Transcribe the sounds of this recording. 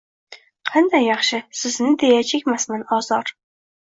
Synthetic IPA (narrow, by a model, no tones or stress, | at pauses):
qʰænd̪æjɑχʃɪsɪznɪd̪ejɛt͡ʃʰekʲmæsmænɒzɑɾ